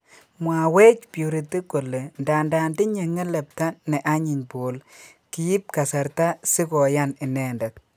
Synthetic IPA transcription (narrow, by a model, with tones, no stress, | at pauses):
mwa˨we˦t͡ʃpju˨ɾi˨tːi˦ko˨le˨nda˨nda˨ndɪ˦ɲe˨ŋɛ˦lɛ˨p̚ta˦nɛ˨ʔa˦ɲɪ˨ɲbo˨l | ki˨˦ji˦p̚ka˨sa˨ɾta˦sɪ˦kɔ˨ja˦nɪ˨nɛ˨ndɛ˨t̚